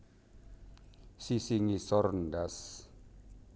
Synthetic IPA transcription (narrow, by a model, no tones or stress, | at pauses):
sisiŋisɔrndas